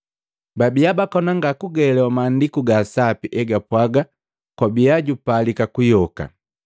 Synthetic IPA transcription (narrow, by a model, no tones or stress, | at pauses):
babijabakɔnaŋɡakuɡɛlɛwamaːndikuɡasapiʔɛɡapwaɡa | kwabiaɟupalikakujɔka̰